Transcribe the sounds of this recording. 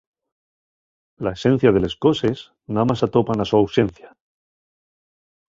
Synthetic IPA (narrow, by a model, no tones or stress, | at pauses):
lae̞sẽ̞n̟θjað̞e̞le̞sko̞se̞s | namasat̪o̞panasuawse̞nθja